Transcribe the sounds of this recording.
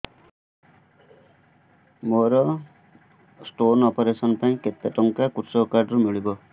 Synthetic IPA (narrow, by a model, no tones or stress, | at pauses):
moɾʌ | sʈonɔpeɾesʌnpaĩket̪jaʈɔŋkakutsʌkaɖrumiɭibʌ